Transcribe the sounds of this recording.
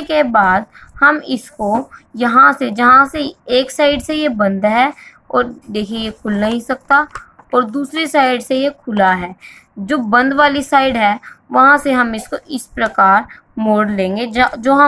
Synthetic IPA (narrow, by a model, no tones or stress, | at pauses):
kebaːd̪̚ | hɐmɪskojɐɦãsed͡ʒɐɦãseeːksaːɪɖsejebə̃nd̪ɦɛ | ɔːɾd̪eːkʰiejekʰʊlnɐɦĩsɐk̚t̪aɔːɾd̪uːsɾesaːɪɖsejekʰʊlaɦɛː | d͡ʒoːbə̃nd̪ʋaːlisaːɪɖɦɛʋɐɦãseɦɐmɪskoʔɪspɾɐkaːɾ | moːɽlẽːŋɡed͡ʒoːɦ